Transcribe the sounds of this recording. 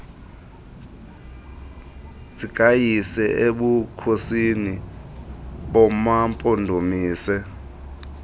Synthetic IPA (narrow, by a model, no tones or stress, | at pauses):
zikʼajisɛeɓukʰosini | ɓɔmampʼɔndʱomiːsɛ